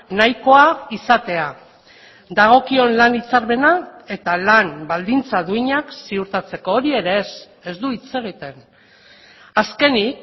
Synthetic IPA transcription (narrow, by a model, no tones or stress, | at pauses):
najko̞aisat̪e̞a | d̪aɣ̞o̞kio̞nlanit͡saɾβe̞nae̞t̪alanbald̪int͡saðuiɲaksiuɾt̪at͡se̞ko̞ːɾie̞ɾe̞ːs | e̞zd̪uit͡se̞ɣ̞it̪e̞n | aske̞nik